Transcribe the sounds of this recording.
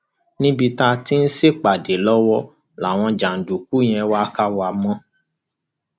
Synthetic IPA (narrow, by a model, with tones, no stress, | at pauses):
nĩ˦bi˧ta˧ti˦n̩˦se˦˨k͡pa˨de˨lɔ˦wɔ˦ | la˨w̃ɔ̃˧d͡ʒa˨n̩˨du˨ku˨˦j̃ɛ̃˧wa˦ka˦wa˨mɔ̃˦